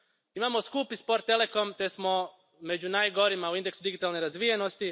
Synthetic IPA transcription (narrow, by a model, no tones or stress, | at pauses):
imamoskupispoɾt̪ːele̞ko̞mt̪e̞smo̞ | me̞d͡ʑunajɡo̞ɾimauind̪e̞ksud̪iɡit̪alˠneɾazʋijeno̞st̪i